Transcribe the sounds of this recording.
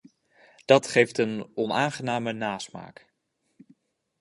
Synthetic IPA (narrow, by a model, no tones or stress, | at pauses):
d̥ɑtχejftənɔnaːnχənaːmənaːsma̰ːk